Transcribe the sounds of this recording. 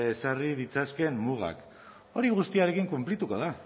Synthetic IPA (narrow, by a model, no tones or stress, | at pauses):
esariðit͡saske̞mːuɣa̰k | o̞ɾiɣ̞ust̪iaɾe̞kiŋkumplit̪uko̞ð̞a